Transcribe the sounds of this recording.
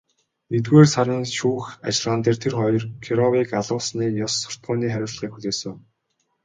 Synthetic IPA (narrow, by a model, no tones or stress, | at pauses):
et̪ɡeːrsaɾʲɪ̆ːnʃuːxat͡ɕɮʁaːnt̪eːrt̪ʰerχɔjɞ̆rkʰiɾɔwiːkaɮʊːsniːjɔsːʊ̥r̥t̪̚ɢʊːniːχæɾʲʊ̆ːɮ̆χiːkxuɮeːsɘ̆ŋ